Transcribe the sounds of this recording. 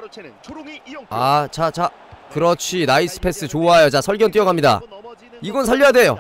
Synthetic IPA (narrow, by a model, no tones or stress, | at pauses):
at͡ɕat͡ɕa | kɯɾʌt͡ɕʰinais͈ɯ̥pʰe̞s͈ɯt͡ɕoajot͡ɕasʰʌɭɡjʌnt͈ijʌɡamɲida̰ | iɡʌnsʰaʎːʌjade̞jo̰